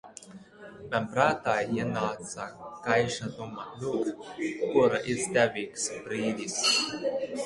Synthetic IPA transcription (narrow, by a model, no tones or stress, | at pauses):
mʲanpɾaːt̪aːinaːt̪sakajʃad̪umalʲukkuɾaʔizd̪ʲævʲiːksbɾiːd̪ʲis